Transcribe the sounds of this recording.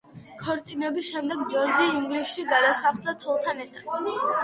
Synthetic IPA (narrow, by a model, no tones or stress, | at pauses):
kʰɔɾt̪sʼinɛbisʃɛmd̪ɛɡd͡ʒɔɾd͡ʒiiŋɡlisʃiɡad̪asaχlˠd̪at̪sʰɔlˠt̪ʰanɛɾt̪ʰad̪̥